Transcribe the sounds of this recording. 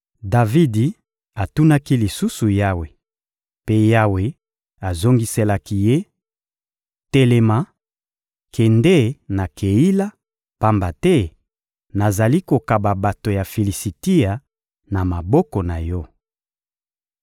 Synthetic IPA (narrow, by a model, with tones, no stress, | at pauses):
da˨vi˦di˨ | a˨tu˦na˦ki˦li˨su˦su˨ja˦we˨ | pe˦ja˦we˨ | a˨zo˦ŋɡi˦se˦la˦ki˦je˦ | te˦lɛ˨ma˨˦ | kʰɛ˨nde˦na˨kʰe˨i˦la˦ | pa˦mba˨tɛ˦ | na˨za˨li˦ko˨ka˨ba˨ba˨to˨ja˨fi˨li˨si˨ti˦a˨ | na˨ma˨bɔ˦kɔ˨na˨jɔ˦